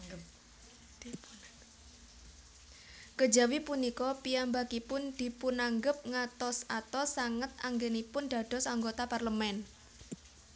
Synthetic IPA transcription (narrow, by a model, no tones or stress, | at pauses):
kə̥d͡ʒa̤wipunikɔpijambakipʊnd̪̥i̤punaŋɡəp̚ŋat̪ɔsat̪ɔsaŋət̪̚aŋɡenipʊnd̪̥a̤d̪̥ɔ̤saŋɡot̪aparləmɛn